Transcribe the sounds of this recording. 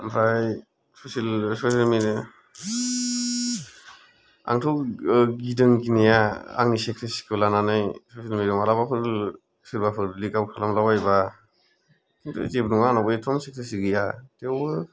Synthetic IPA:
mpʰɾaj | sɔsilsɔsilmiɾ | a̰ŋtʰɔɡidɯŋkinijaa̰ŋnisek̚ʰtʰɯsi̥kʰɯlananajsɔsilmiɾɯmalabapʰɯɾ | siɾbapʰɯɾlikabkʰalamlawajba | kʰintʰɯ̰tebnuŋanabɯjtʰɔmsek̚tʰasiɡɯjatewbɯ

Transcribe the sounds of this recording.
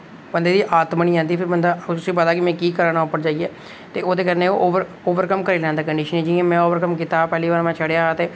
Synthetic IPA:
bənd̪eːd̪iːʔaːt̪məniːd͡ʒãːnd̪iːpʰɪɾbənd̪aːʊsĩːpəd̪aːkɪmɛ̃ːkiːkəɾaːnãopəɽd͡ʒaːiɛː | t̪eːoːd̪eːkəɾnẽːoʔoːʋəɾ | oːʋəɾkəmkəɾeːlɛ̃ːnd̪aːkəɳɖiːʃənĩːd͡ʒɪɛ̃ːmɛ̃ːoːʋəɾkəmkit̪aːpɛːliːʋaːɾmɛ̃ːt͡ʃʰəɽeaːt̪eː

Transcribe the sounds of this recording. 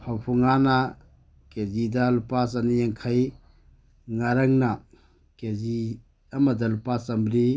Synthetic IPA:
pʰawpʰuŋana | kezidalupasɐnijeŋkʰaj | ŋaɾɐŋnɐ | kezi | ɐmɐdɐlupasɐmbɾi

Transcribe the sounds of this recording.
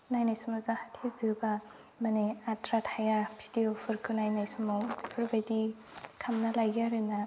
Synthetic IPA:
najnajsɯmɔzahatʰezɯba | maniatɾathajabʰʱidiopʰɯɾkʰɯnajnajsɯmapʰɯɾbadi | kʰamnalajɡiaɾɯna

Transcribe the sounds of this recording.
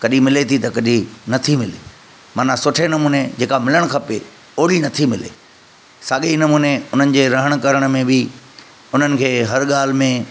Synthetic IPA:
kɐɗimɪlet̪ʰit̪ɐkɐɗinɐt̪ʰimɪle | maːnasʊʈʰenɐmuːned͡ʑeːkamɪləɽ̃kʰɐpe | oːɽinɐt̪ʰimɪlḛ | saːɠenɐmuːneʊn̤ənɪ̆d͡ʑeːɾɐɦəɽ̃̆kɐɾəɽ̃mẽbɪ | ʊn̤ənɪ̆kʰeːɦɐɾɠaːl̤mẽ

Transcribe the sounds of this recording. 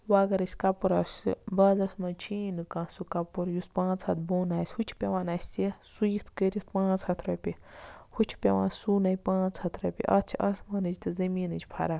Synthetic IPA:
waːɡɐɾɐsʲkɐpuɾɐsɨ̰bɐːzɐsmɐnt͡ʃʰiːnɨkãːsukɐpuɾjuspãːt͡shɐt̪boːnaːsʲhut͡ʃʰpʲeʋaːnɐsʲt̪esujit̪ʰkəɾʲispãːt͡shɐt̪ʰɾɐpʲihut͡ʃʰi̥pʲeʋã̰ːnsuːnɐjpãːt͡sʰhɐt̪ʰɾɐpʲḭʔɐt͡sʰiʔɐsmɐnɨd͡ʒt̪ɨzɐmiːnɨt͡ʃʰpʰɐ̰ɾaː

